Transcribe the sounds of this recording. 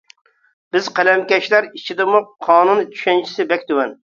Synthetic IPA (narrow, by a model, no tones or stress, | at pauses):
b̥ɪz̥qælɛmkʲɛʃlæɾit͡ʃʰid̪ɪmʊqʰɑːnunt͡ʃʰy̥ʃɛnt͡ʃʰi̥sɪbɛkʲt̪ʊwɛn